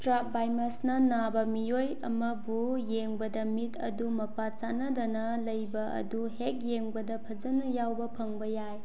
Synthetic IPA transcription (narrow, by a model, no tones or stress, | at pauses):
tɾak̚bajmɐsnɐnabɐmijojɐmɐbujeŋbɐdɐmitʰɐ̰dumɐpat͡ʃanɐdɐnɐ | lɐjbɐʔɐ̰duhek̚jeŋbɐdɐpʰɐd͡ʒɐnɐjawbɐpʰɐŋbɐjaj